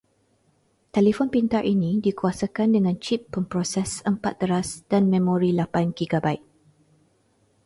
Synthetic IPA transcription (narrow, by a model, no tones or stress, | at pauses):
t̪ɛlifɔnpint̪aɹʔinĩdikuasakandəŋãnt͡ʃipːəmpɾɔsɛsəmpat̪̚ːəɾasd̥anmɛ̃moɾilapanɡiɡabajt̚